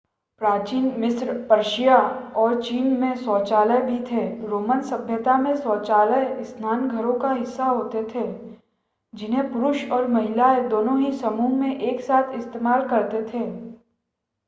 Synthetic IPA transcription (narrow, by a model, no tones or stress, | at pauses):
pɾaːt͡ʃiːnmɪsɾpɐɾʃijaɔːɾt͡ʃiːnmẽsɔːt͡ʃaːləjbʱit̪ʰeɾoːmənsɐbʱjət̪amẽsɔːt͡ʃaːləeɪsnaːnɡʱəɾõkaɦɪsːaɦoːt̪et̪ʰeː | d͡ʒɪnɦẽpʊɾʊʃɔːɾmɐɦɪlaed̪oːnõɦisɐmuːɦmẽʔeːksaːt̪ʰɪst̪eːmaːlkɐɾt̪et̪ʰeː